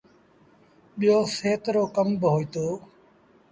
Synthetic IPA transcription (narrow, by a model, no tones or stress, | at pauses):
ɓɪjoːseːt̪ɾoːkəmbɦoːiːt̪oː